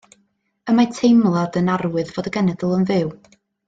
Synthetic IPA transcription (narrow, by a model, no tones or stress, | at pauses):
əmatʰejmlˠadənaɾwɨðvoːdəɡɛnɛdəlˠənvɨw